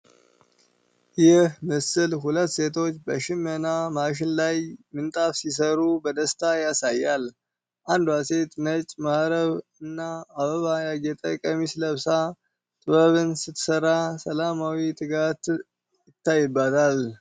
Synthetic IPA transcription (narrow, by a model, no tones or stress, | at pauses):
jɪhmɨsɨlɦulət̪ːse̞t̪ʰo̞t͡ʃːbəʃɪmənamaʃ̬ɪnlajmɨnt̪ʼafsis̬əɾubəd̪əst̪ʰajasajːal | ʔand̪wase̞t̪nət͡ʃʼmahɾəβɨnːaːβəβajaɡɛt̪ʼə̰kʼəmisləβsa | t̪ʼɨβəβɨnsɨt̪səɾasəlamawit̪ʼɨɡat̪ | jɪt̪ːajːɨbːat̪ʰal